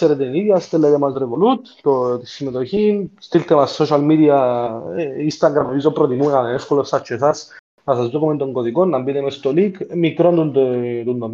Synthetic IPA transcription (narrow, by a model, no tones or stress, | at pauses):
seɾed̪enijast̪elːeðemasreʋolut̪ː | ot̪isimet̪oçinst̪ilt̪emasːoʃalmiðja | inst̪aŋɡɾameβizopɾot̪imuenaneneskuleɾsat͡ʃːesas | pasasd̪okument̪oŋkoðikonːambinemest̪olikmikɾond̪und̪t̪und̪om